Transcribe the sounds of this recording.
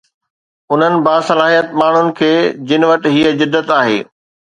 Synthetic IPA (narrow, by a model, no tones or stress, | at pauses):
ʊn̤ənɪ̆baːsɐlaːɦijət̪maːɳ̤ʊnɪ̆kʰeːd͡ʑɪnɪʋɐʈɪɦiəd͡ʑɪd̪ːət̪aːɦḛː